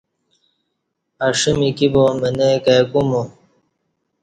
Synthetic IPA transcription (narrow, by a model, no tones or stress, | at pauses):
aʂimikibomenekajkumo